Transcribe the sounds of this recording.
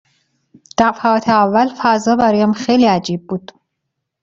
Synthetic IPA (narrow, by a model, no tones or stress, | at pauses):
d̪̥æɾfæɒːt̪ʰeævːælfæzɒːbæɾɒːjæmxejliːæd͡ʒiːb̚ːuːd̪̥